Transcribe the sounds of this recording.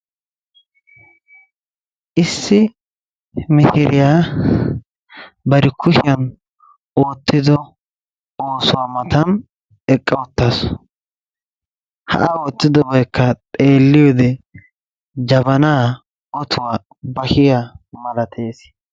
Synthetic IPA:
ʔɪsːɪ | mɪhɪɾɪjaː | bɐɾɪkʊʃɪjɐn | oːt̪ːɪd̪ɔ | oːsʊwaːmɐt̪ɐn | ɛkʼːɐwɔt̪ːas | hɐ̰ʔɐoːt̪ːɪd̪ɔbɐjkːɐt̪ʼe̞ːlːɪjɔd̪ɛ | d͡ʒɐbɐnaː | ɔt̪ʰʊwaː | bɐhɪjamɐlɐt̪ʰe̞ːs

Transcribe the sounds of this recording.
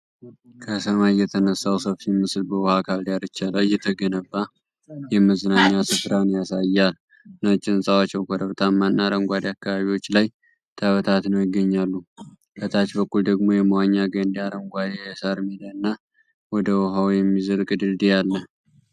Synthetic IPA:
kʰəsəmajjɛt̪ʰənəsːawsəfsimːɨsɨlbəwɔhakʰald̪jaɾɨt͡ʃːalawjːɛt̪ʰːəɡənəbːa | jɛməzənaɲːasɨfɾanjasajːal | nət͡ʃʼɪnsʼawat͡ʃːɛwkʰəɾəβt̪ʰamːanːaɾəŋɡʷad̪eakːaβaβiwo̞t͡ʃːlaj | t̪ʰəβət̪ʰat̪nəwjɪɡːəɲːalːu | kʰət̪ʰat͡ʃbəkʼːuld̪əɡmo̞jɛməwaɲːaɡənd̪iaɾəŋɡʷad̪esaɾmid̪əɨnːa | wɔd̪əwɔɦawjɛmːizəɾkʼɨd̪ɨld̪ijalːə

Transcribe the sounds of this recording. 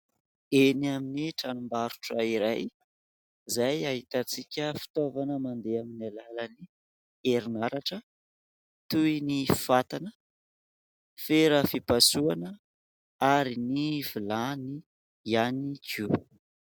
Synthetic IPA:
enaminiʈ͡ʂanumbaɾu̥ʈ͡ʂəiɾaj | zajaɦit̪at͡sikʲəfi̥t̪ovanəmand̪eaminalaləni | eɾinaɾaʈ͡ʂə | t̪uinifat̪anə | feɾəfipasuanə | aɾinivilani | janiku

